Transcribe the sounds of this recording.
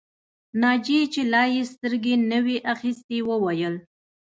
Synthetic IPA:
nɑd͡ʒet͡ʃelɑjest̪əɾɡenəweʔaxist̪ewəwajəl

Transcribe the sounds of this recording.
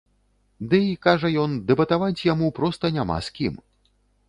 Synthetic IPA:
d̪ɨikaʐɐjɔnd̪ɛbɐt̪avat͡sʲjamupɾɔst̪ɐnʲama̰skʲim

